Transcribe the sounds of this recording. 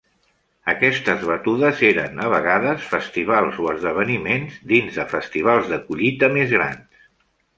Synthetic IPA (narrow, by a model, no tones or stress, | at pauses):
əkɛst̪əzβət̪uðəzeɾənəβəɣ̞aðəsfəst̪iβ̞alˠzoəzðəβ̞ənimenzd̪inzðəfəst̪iβ̞alˠzðəkuʎit̪əmezɣɾa̰ns